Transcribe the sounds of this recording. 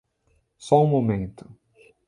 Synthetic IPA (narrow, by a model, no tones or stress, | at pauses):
sɔũmomẽnt̪ʊ̥